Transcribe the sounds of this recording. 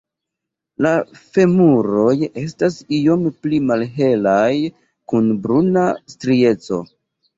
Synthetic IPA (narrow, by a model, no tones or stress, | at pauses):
lafe̞muɾo̞je̞stasio̞mplimalɦe̞laj | kunbɾunastɾie̞t͡so̞̰